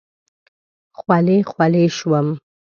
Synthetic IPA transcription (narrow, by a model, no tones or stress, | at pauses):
xwalexwaleʃwəm